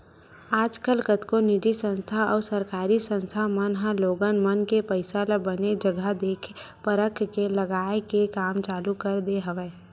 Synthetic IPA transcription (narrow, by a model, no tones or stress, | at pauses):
aːd͡ʒkəlkət̪konɪd͡ʒisə̃nst̪ʰaɔːɾsəɾkaːɾisə̃nst̪ʰamənɦə̃loːɡənmənkepəɪsalabəned͡ʒəɡʱəd̪eːkʰpəɾəkʰkeləɡaːekekaːmt͡ʃaːlukəɾd̪eɦəʋeː